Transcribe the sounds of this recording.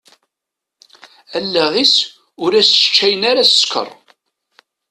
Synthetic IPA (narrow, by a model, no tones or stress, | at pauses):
ælːæʁis | ʊɾæst͡ʃːæjənaɾæsə̥skʰə̰rˤ